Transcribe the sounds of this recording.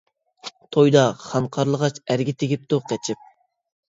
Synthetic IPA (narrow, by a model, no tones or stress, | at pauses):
t̪ʰojd̪ɑχɑnqʰɑɾlˠəʁɑt͡ʃæɾɡʲɪt̪ʰɪɡʲip̚t̪ʰuqʰɛt͡ʃʰɪp̚